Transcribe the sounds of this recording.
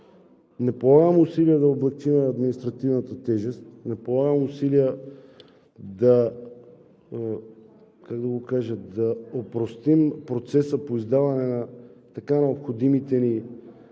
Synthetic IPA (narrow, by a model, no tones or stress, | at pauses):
nɛpolˠaɡəmusiliəd̪ɐoblɛk̚t͡ʃimɛɐd̪minist̪ɾɐt̪ivnɐt̪ət̪ɛʒɛst̪nɛpolˠaɡəmusiliə | d̪ɐ | kaɡd̪ɐɡokaʒəd̪ɐopɾost̪impɾot̪sɛsəpoizd̪avɐnɛnɐt̪ɐkanɛopxod̪imit̪ɛni